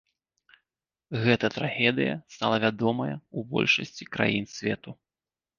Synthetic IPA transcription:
ɣɛt̪ɐt̪ɾaɣʲɛd̪ɨjɐ̰st̪alˠɐvʲad̪ɔmɐjɐubɔ̰lʲʂɐsʲt͡sʲikɾa̰jinsʲvʲɛt̪u

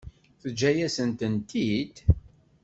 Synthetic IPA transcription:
θəd͡ʒːæjæsənt̪ənt̪id̪

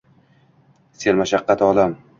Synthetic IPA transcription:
selmaʃaqːɑt̪ɒlam

